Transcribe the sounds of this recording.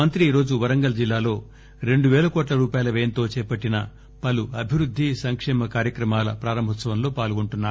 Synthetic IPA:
ɐnt̪ɾiːɾo̞ːd͡ʒuʋɐɾɐŋɡɐlɐd͡ʒilːaːlo̞ː | ɾe̞ɳɖuʋɛːlɐkoːʈ̬lɐɾuːpaːjɐlɐʋeːɐnt̪o̞ːt͡ʃɛːpɐʈːinɐ̰ | pɐluɐbʱiʋɾud̪ʱːisɐŋkʂɛːmɐkaːɾjɐkɾɐmaːlɐ̰pɾaːɾɐmbʱɐt̪sɐʋɐnlo̞ːpaːluɡuɳʈunːaːu

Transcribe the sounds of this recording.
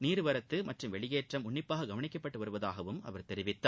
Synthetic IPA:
niːɾɯʋɐɾɐt̪ːɯmɐʈrɯmʋɛɭɪjeːʈrɐmʊɳːɪpːaːɣɐɡɐʋɐɳɪkːɐpːɐʈːɯʋɐɾɯʋɐðaːɣɐʋɯmɐ̰ʋɐɾt̪ɛɾɪʋɪt̪ːa

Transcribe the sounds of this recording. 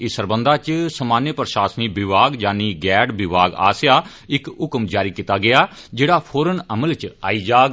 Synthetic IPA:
ɪsəɾbənd̪aːt͡ʃsəmaːnjəpəɾʃaːsniːbɪʋaːɡd͡ʒaːniːɡɛːɖbɪbaːɡa̰ːsjaː | ɪkʊkmd͡ʒaːɾiːkiːt̪aːɡɪjaː | d͡ʒeːɽaːpʰoːɾənəməlt͡ʃa̰ːiːd͡ʒaːɡ

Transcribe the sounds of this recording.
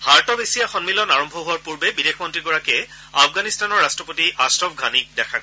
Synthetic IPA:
haɹtɔbesijaxɔnmilɔnaɹɔmbʱɔɦuaɹpuɹbɛbidexmɔntɹiɡɔɹakɛ | afʰɡanistanɔɹastɹɔpotiʔastɹɔbɡʱanik̚dɛkʰaɡɔ

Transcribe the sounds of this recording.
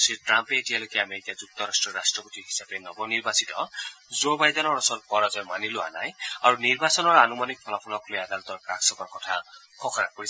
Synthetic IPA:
siʈɾampeːtijalokeameɾikad͡zuk̚t̪ɔɾasʈɹɔɾasʈɹɔpɔt̪ihi̥sapenɔbɔniɹbasit̪ɔzobajdɔnɔɹɔsɔlkɔɾazɔjmanilua̰na̰jaɹuniɹbasɔnɔɹanumanik̚pʰɔlɔpʰɔlɔklojad̪alɔt̪ɔɹkɾaksɔkɔɾkɔtʰa | kʰɔkʰɔɾa̰pɔɾi

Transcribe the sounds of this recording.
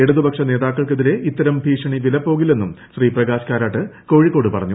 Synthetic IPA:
eɽuðɨbɐkʂɐne̞ːðaːkːɐɭkeðiɾe̞it̪ːɐɾɐmbʱiːʂɐɳiʋilɐpːo̞ːɣilːe̞nːumɕriːprɐɣaːɕkaːɾaːʈːɨko̞ːɻikːo̞ːɽɨpɐrɐɲːu

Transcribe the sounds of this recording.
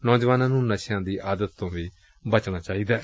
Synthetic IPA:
nɔːd͡ʒʋaːnãːnũːnəʃjãːd̪iːʔaːd̪ət̪ːõːʋiː | bət͡ʃñaːt͡ʃaːiːd̪aː

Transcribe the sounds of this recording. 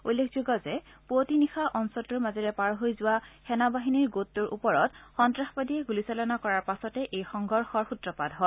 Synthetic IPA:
ulːekʰzuɡɔzɛ | potinixaʔɔnsɔtuɹmazɔɹɛpaɹɦojzʊwaxɛnabaɦiniɹɡotːuɹʔṵpɔɹɔtxɔntɹaxpadiɛɡulisalɔnakɔɹaɹpasɔtɛʔejxɔŋɡʱɔɹxɔɹxutɹɔpadɦɔ

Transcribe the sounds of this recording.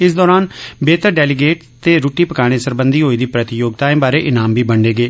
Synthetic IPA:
ɪsd̪ɔːɾaːnbeːt̪əɾɖɛːlɪɡeːʈ | t̪eːɾuːʈiːpəkaːɽ̃eːsəɾbənd̪iːɦoːiːd̪iːpɾət̪ɪjoːɡ̚t̪aːẽːbaːɾeːʔɪnaːmbʱiːbəɳɖeːɡeː

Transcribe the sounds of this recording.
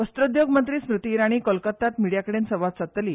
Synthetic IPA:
ʋəst̪ɾəd̪joɡmənt̪ɾiːsmɾut̪iːɾaɽ̃iːkəlkət̪ːat̪miɽijakəɽensəʋat̪sət̪ːliː

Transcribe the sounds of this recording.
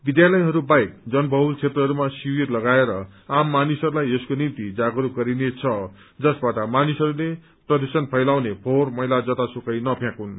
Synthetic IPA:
bid̪jalʌjɦʌɾubajkd͡zʌnbʱʌɦult͡sʰet̪rʌɦʌɾumasiwirlʌɡaeɾʌamːanisʌɾulajeskonint̪id͡zaɡɾuɡʌɾinet͡sʰʌ | d͡zʌsbaʈʌmanisʌɾule | prʌd̪usʌnpʰʌjlawnepʰormʌɦilad͡zʌt̪asukʌjnʌpʰjãkun

